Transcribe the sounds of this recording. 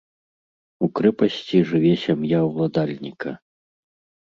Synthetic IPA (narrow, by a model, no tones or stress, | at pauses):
ukɾɛpɐsʲt͡sʲiʐɨvʲɛsʲamjawlˠad̪alʲnʲikɐ̰